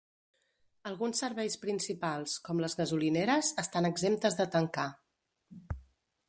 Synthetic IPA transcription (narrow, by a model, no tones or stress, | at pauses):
əlˠɣunsːəɾβɛjspɾinsipalˠskɔmləzɣəzulineɾəzəst̪anəɡzemt̪əzðət̪əŋka